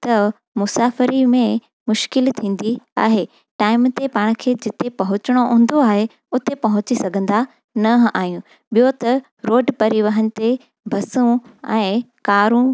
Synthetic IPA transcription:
t̪ɐ | mʊsaːfɪɾimẽ | mʊʃkɪlt̪ʰĩːn̆d̪ia̰ːɦe | ʈaːɪmt̪epaːɽ̃kʰeːd͡ʑɪt̪epɐɦʊt͡ɕɪɽ̃oɦũːn̆d̪oaːɦe | ʊt̪epɐɦʊt͡ɕisɐɡʱə̃nd̪a | nɐa̰ːɦijũ | ɓijot̪ɐ | ɾoːɖpɐɾiʋəɦənɪ̆t̪e | bʱɐsũɛ̃ːkaːɾũ

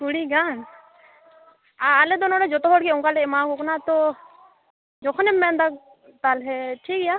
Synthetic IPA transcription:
kuɽiɡan | aːlɛd̪ɔnɔɽɛd͡ʒɔt̪ɔɦɔɽkɛɔŋkalɛɛmakɔknat̪ɔ | d͡ʒɔkʰɔnɛmːɛnd̪ak̚ | t̪alɦɛʈʰikja

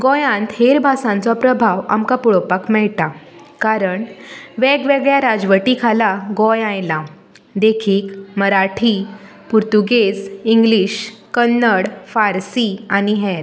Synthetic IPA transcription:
ɡɔjãnt̪heɾbʱasãnt͡sɔpɾəbʱaʋa̰mkapuɭɔpakmɛɭt̪a | kaɾəɳʋeɡʋeɡɭjaɾad͡zʋəʈikʰalaɡɔjãjla | d̪ekʰiːkməɾaʈʰi | puɾt̪uɡesiŋɡliːɕkənːəɽfaɾsiañiɦɛɾ

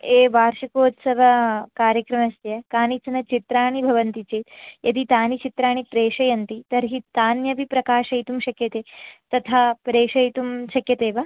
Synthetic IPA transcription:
eːʋaːɾʃɐkoːt̪sɐʋɐkaːɾjɐkɾɐmɐst̪jɐkaːnit͡ʃɐnɐt͡ʃit̪ɾaːɳ̃ibʱɐʋɐnt̪it͡ʃeːt̪jʔɐd̪it̪aːnit͡ʃit̪ɾaːɳ̃ipɾeːʂɐjɐnt̪it̪ɐɾɦit̪aːnjɐʋipɾɐkaːʃɐjt̪umʃɐkjɐt̪eːt̪ɐt̪ʰaːpɾeːʂɐjt̪umʃɐkjɐt̪eːʋaː

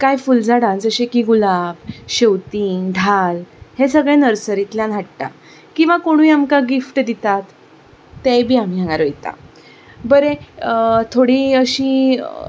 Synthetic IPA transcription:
kajfuld͡zʱaɽãnd͡zəɕekiɡulabɕewt̪iːŋɖʱalhesəɡɭẽnəɾsəɾit̪ljãnaʈʈ̪a̰ | kĩw̃ʋakoɽ̃ũiamkaɡifʈd̪it̪at̪ː | ejbʱiːam̤iːãŋɡaɾojt̪ã̰ | bəɾeət̪ʰoɽiəɕĩ

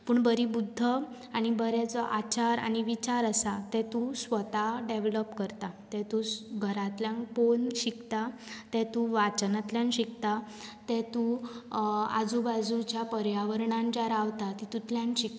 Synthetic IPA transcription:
puːɳbəɾibud̪ʱːə | aɽ̃ibəɾɛt͡səʔat͡ɕaɾa̰ɽ̃iʋit͡ɕaɾəsat̪ɛt̪usʋət̪aɖeʋləpkəɾt̪at̪ɛ̃t̪uɡʱəɾãt̪ljãŋkponɕikt̪at̪ɛt̪uʋat͡ɕənat̪ljãnɕikt̪a | t̪ɛt̪u | a̰d͡zubad͡zut͡ɕjapəɾjaʋəɾɳãnd͡ʑaɾaʋt̪at̪it̪ut̪ljãnɕik̚t̪

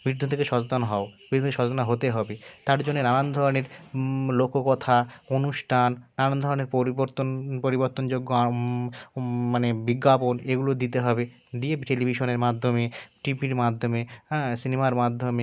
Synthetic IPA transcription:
bɾid̪ʱːut̪ʰekeʃɔt͡ɕot̪anɦɔob̥id̪ut̪eʃɔt͡ɕot̪anaɦot̪eɦɔbet̪aɾd͡ʑonːenanand̪ʱɔɾoneɾlokokɔt̪ʰaonuʃʈʰanːanand̪ʱɔɾoneɾpoiboɾt̪onpoɾiboɾt̪ond͡ʑoɡːoa | manebiɡːaponeɡulod̪it̪eɦɔbe | d̪iebʈelibʱiʃoneɾmad̪ʱːomeʈipiɾmad̪ʱːomesinemaɾmad̪ʱːome

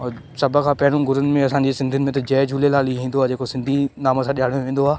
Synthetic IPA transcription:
ɔː | sɐbʱkʰãːpɐɦɪɽ̃ũɡʊɾənɪ̆mẽɐsãːɲd͡ʑeːsɪ̃nd̪ʱiənɪmẽt̪ɐd͡ʑɛːd͡ʑʱuːlelaːliɦĩːnd̪oaːd͡ʑeːkosɪ̃nd̪ʱinaːmə̃sãɗijaːɽ̃joʋẽːn̆d̪oaː

